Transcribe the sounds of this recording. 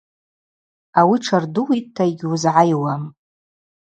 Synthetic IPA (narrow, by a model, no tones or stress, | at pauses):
awiʈ͡ʂʰarduwitʰːaiɡʲuzʕajwam